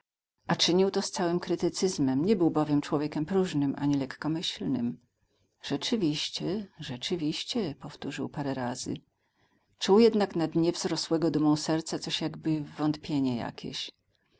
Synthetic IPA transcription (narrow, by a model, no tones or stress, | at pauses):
ʔat͡ʂɘɲiwt̪ɔst̪sawɘmkɾɘt̪ɘt̪sɘzmɛmɲɛbɘwbɔvʲjɛmt͡ʂwɔvʲjekʲɛmpɾuʐnɘmʔa̰ɲilɛkːɔmɘɕlnɘ̰m | ʐ̥ɛt͡ʂɘvʲiɕt͡ɕɛʐɛt͡ʂɘvʲiɕt͡ɕɛpɔft̪uʐɘ̰wpaɾɛɾazɘ̰ | t͡ʂuwjɛd̪naknad̪ɲɛvzɾɔswɛɡɔd̪umɔ̃w̃sɛɾt̪sat̪sɔɕjaɡbɘvːɔnt̪pʲjeɲɛja̰kʲʰḛɕ